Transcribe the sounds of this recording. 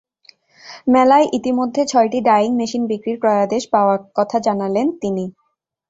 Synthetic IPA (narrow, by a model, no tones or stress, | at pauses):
mɛlaeʔit̪imod̪ʱːet͡ɕʰɔeʈiɖajiŋmeʃinbikɾiɾpɾɔead̪eʃpaoaɾkɔt̪ʰad͡ʑanalent̪ini